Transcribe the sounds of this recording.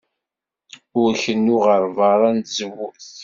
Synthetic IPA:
ʊɾçənːuʁəɾˤvɑɾˤɑnzəwːuθ

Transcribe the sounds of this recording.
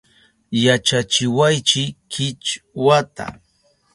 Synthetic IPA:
jat͡ʃat͡ʃɪwajt͡ʃɪkʰɪt͡ʃwat̪a̰

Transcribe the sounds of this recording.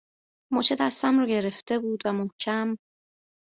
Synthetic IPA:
mot͡ʃʰed̪æst̪æmɾɒɟe̞ɾe̞ft̪e̞buːd̪væmohcʰæm

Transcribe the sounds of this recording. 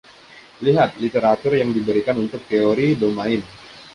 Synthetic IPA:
liɦat̪̚lit̪eɾat̪ʊrjaŋdibəɾikanunt̪ʊk̚t̪eoɾibəmaɪn

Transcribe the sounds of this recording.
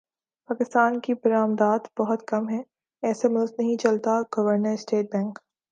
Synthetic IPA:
paːkɪst̪aːnkibɐɾaːmd̪aːt̪bɐɦʊt̪kɐmɦɛ̃ | ɛːsemʊlznɐɦĩt͡ʃɐlt̪aɡ̥ɐʋəɾnəɾsʈeːʈ̚bɛ̃ːŋk

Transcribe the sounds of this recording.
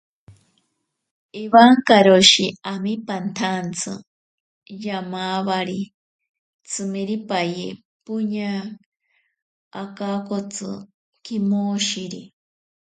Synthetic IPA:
iβaŋkaɾoʃiamipant̪ʰant͡sʰɨ̰ | jamaβaɾi | t͡sʰɨmiɾipaje | puɲa | akakot͡sɨ̰ | kimoʃiɾi

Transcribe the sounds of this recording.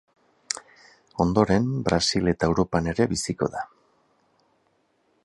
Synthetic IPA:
o̞nd̪o̞ɾe̞mbɾasile̞t̪aewɾo̞pane̞ɾe̞βisiko̞̰ða

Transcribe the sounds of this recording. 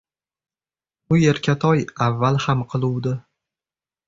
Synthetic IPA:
ʊje̞ɾkʲʰat̪ʰɒjavːalˠhamqʰɨlˠuwd̪ɪ

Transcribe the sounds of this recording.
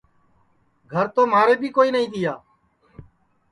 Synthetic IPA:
ɡʱəɾt̪oːmaːɾeːbʱiːkoːiːnəɦĩːt̪ɪjaː

